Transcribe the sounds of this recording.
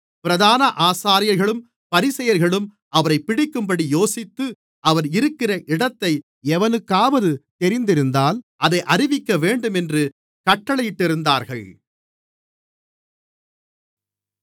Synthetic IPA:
pɪɾɐðaːnɐʔaːsaːɾɪjɐɾɣɐɭɯm | pɐɾɪsɐjɐɾɣɐɭɯm | ɐʋɐɾɐɪpːɪɽɪkːɯmbɐɽijoːsɪt̪ːɯ | ʔɐʋɐɾɪɾɯkːɪrɐʔɪɽɐt̪ːɐɪ | ɛʋɐnɯkːaːʋɐðɯt̪ɛɾɪnd̪ɪɾɯnd̪aːlʔɐðɐɪʔɐrɪʋɪkːɐʋeːɳɖɯmɛndrɯ | kɐʈːɐɭɐjɪʈːɪɾɯnd̪aːɾɣɐɭ

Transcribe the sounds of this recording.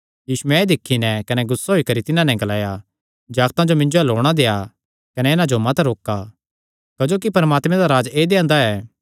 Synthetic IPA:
jiːʃuɛed̪ɪkʰːinɛ̃kɐnɛɡʊsːaɦoːikɐɾit̪ɪnãnɛ̃ɡɐlaːja | d͡ʒaːɡt̪ãd͡ʒomɪ̃ɲd͡ʒoɛloːɽ̃ad̪eːa | kɐnɛɪnãd͡ʒomɐt̪ɾoːka | kɐd͡ʒoːk̬ipɐɾəmaːt̪mɛ̃d̪aɾaːd͡ʒeːd̪eːãːnd̪aɛː

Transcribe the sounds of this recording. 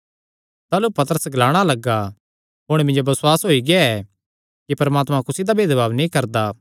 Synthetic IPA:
t̪aːlupɐt̪əɾəsɡɐlaːɽ̃alɐɡa | ɦʊɽ̃mɪ̃ɲd͡ʒobɐswaːsɦoːiɡaɛ | kipɐɾmaːt̪mãkʊsid̪abʱeːd̪baːʋnĩkɐɾd̪aː

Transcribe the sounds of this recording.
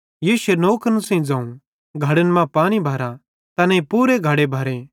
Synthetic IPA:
jiːsʊenoːkənsɐ̃ĩd͡zãːũ | ɡʱɐɽənmãpaːñibʱaːɾã | t̪ɐnẽpuːɾeɡʱɐɽebʱaːɾe

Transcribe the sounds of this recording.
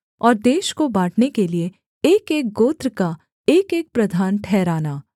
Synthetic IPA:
ɔːɾd̪eːʃkobaːʈʰnekelie | eːkeːk̚ɡoːt̪ɾka | eːkeːk̚pɾɐd̪ʱaːnʈʰɛːɾaːnaː

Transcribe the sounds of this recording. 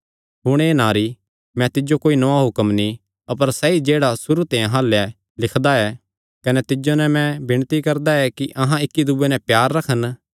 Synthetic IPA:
ɦʊɽ̃eːnaːɾi | mɛ̃t̪ɪd͡ʒokoːinɔaɦʊkəmni | ɐpəɾsɛid͡ʒeːɽasʊɾut̪ẽːjãɦaːlːɛ | lɪkʰd̪aɛː | kɐnɛt̪ɪd͡ʒonɛmɛ̃bɪɽ̃t̪ikɐɾd̪aɛkiʔɐɦãɪkːid̪ʊbenɛ̃pjaːɾːɐkʰən

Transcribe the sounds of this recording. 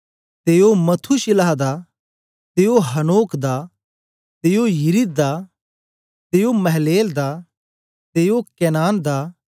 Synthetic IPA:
t̪eːomɐt̪ʰuʃɪlaːɦd̪a | t̪eːoɦɐnoːkd̪a | t̪eːojɪɾid̪d̪a | t̪eːomɐɦleːld̪a | t̪eːjokɛːnaːnd̪a

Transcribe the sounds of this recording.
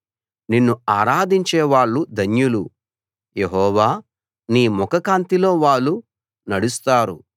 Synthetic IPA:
ninːuaːɾaːd̪iɲt͡ʃeːʋaːɭːud̪ʱɐnjulu | jeɦɔːʋaː | niːmɔkɐkaːnt̪ilo̞ːʋaːɭːu | nɐɽust̪aːɾṵ

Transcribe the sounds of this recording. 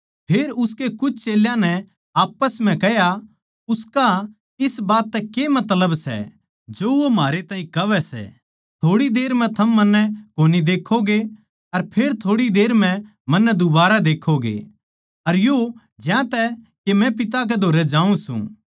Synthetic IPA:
pʰeːɾʊskekʊt͡ʃʰt͡ʃeːljãnɛ | aːpəsm̤ɛ̃kɛɦja | ʊska | ɪsbaːt̪ːɛkemɐt̪ləbsɛ̰ | d͡ʒoʋomaːɾet̪ãːĩkɐʋɛsɛ̰ | t̪ʰoːɽid̪eːɾmɛ̃t̪ʰɐmːɐnːɛkoːnid̪eːkʰːoɡe | ɐɾpʰeːɾt̪ʰoːɽid̪eːɾmɛ̃ | mɐnːɛd̪ʊbaːɾad̪eːkʰoɡḛ | ɐɾjo | d͡ʒjãt̪ɛ | kemɛ̃p̬ɪt̪̬ak̬ɛd̪ʱoːɾɛd͡ʒaːũsṵ̃ː

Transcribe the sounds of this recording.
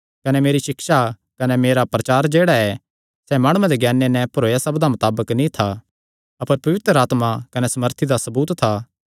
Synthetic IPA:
kɐnɛmeːɾiʃɪkʃa | kɐnɛmeːɾapɾɐt͡ʃaːɾd͡ʒeːɽaɛ | sɛmaːɽ̃ũẽd̪eɡɛːnːenɛ̃pɐɾoːjasɐbd̪amɐt̪aːbəknĩt̪ʰa | ɐpəɾpɐʋɪt̪ɾəaːt̪makɐnɛsɐməɾt̪ʰid̪asɐbuːt̪ʰːaː

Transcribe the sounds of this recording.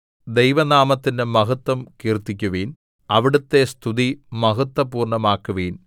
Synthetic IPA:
d̪ejʋɐnaːmɐt̪ːindemɐɦɐt̪ːwɐmkiːrt̪ːikʲːuʋiːn | ɐʋiɽut̪ːe̞st̪ʰuðimɐɦɐt̪ːɐpuːrɳɐmaːkːuʋiːn

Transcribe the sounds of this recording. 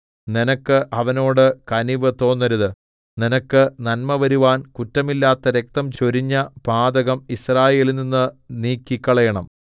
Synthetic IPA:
ninɐkːɨʔɐʋɐno̞ːɽɨkɐniʋɨt̪o̞ːnːɐɾuðɨ | ninɐkːɨnɐnmɐʋɐɾuʋaːnkutːɐmilːaːt̪ːɐɾe̞k̚t̪ɐmt͡ɕoɾiɲːɐpaːd̪ɐɣɐmisraːje̞ːlininːɨniːkːikːɐɭɐjɐɳɐm

